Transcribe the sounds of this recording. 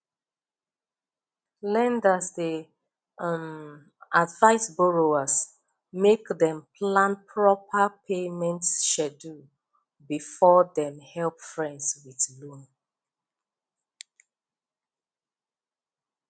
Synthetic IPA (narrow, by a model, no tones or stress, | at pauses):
lɛ̃ndasde | m | advaɪsbɔɹoas | mekdɛ̃mpʰlãnpʰɹɔpʰəpʰemɛ̃ntʃɛdu | bifɔdɛ̃mhɛlpfɹɛ̃ndswiðlũn